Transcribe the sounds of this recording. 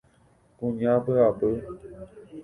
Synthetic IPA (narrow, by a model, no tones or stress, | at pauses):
kũɲãbəabə